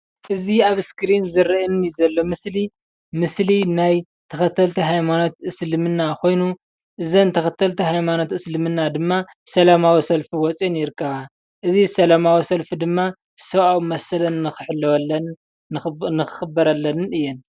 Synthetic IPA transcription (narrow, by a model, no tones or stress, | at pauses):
ʔɨziaβskɨɾinzɨɾɨnizɐlːo̞mɨsli | mɨslinaj | t̪ʰɐxɐt̪ʰːɐlt̪ʰiɦajmano̞t̪ʔɨslɨmɨnːakʰo̞jnu | ʔɨzɐnt̪ʰɐxɐt̪ʰɐlt̪ʰiɦajmano̞t̪ɨslɨmɨnːad̪ɨmːa | sɐlamawisɐlfiwɔt͡sʼinjɪɾkʰːɐβa | ʔɨzisɐlamawisɐlfid̪ɨmːa | sɐβʔawmɐsɐlɐnːɨxɨ̥ħɨlːɐwɐlɐn | nɨxɨ̥xɨbːɐɾɐlːɐnɨnɨjːɛn